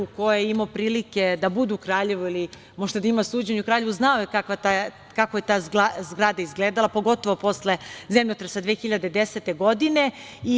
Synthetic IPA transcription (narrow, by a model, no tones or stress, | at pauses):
uko̞jeimopɾiːlike̞d̪abud̪uːkɾaːʎe̞ʋuili | mo̞ʒd̪ad̪aimasuːd͡ʑeɲukɾaːʎe̞ʋuznaojekakʋat̪a | kakoje̞t̪aːzɡazɡɾaːd̪aizɡleːd̪alˠapo̞ɡo̞t̪o̞ʋo̞po̞sle̞zemʎot̪ɾesad̪ʋeːxiʎad̪ed̪eset̪e̞ɡo̞d̪ine̞ | i